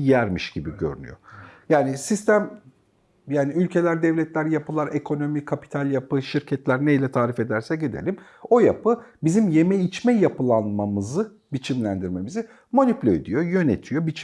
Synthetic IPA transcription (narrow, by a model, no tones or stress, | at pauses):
jæɾmiʃɟibiɟø̰ɾy̰ny̰jo̞̰jaːnisist̪ʰæm | jaːniylʲcʰe̞lʲæɾd̪ɛvlʲɛt̪ʰlʲæɾjapɯlˠaɾekʰo̞no̞mikʰapi̥t̪ʰalʲjapɯʃiɾcʰɛt̪lʲæɾnejlʲɛt̪ʰaːɾife̞d̪æɾsɛɟed̪ḛlʲimo̞japʰɯbizimje̞mɛjit͡ʃmɛjapɯlˠanmamɯzɯ | bit͡ʃʰimlʲænd̪iɾme̞mizi | mo̞nyplʲøed̪ijo̞jø̞net̪ʰijo̞bit͡ʃ